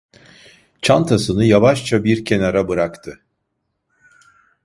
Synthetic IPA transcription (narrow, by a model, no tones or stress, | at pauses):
t͡ʃʰant̪ʰasɯnɯjavaʃt͡ʃʰabiɾcʰe̞naɾabɯɾakt̪ʰɯ